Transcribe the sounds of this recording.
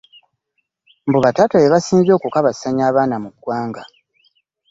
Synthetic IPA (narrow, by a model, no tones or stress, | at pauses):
mbuβatatajeβasiːnzoːkukaβasaɲaːβaːnamuɡ̥waːŋɡa